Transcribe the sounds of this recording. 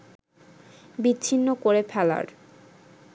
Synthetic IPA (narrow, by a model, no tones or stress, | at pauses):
biɕʰinːokoɾefʰɛla̰ɾ